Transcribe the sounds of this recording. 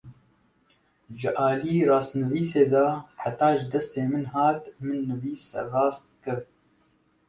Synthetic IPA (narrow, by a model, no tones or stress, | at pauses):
ʒɨʔɑːliːrɑːst̪nɨviːseːd̪ɑːħat̪ɑːʒɪd̪ɛst̪eːmɨnɦɑːt̪mɨnːɨviːsrɑːst̪̚kɨɾ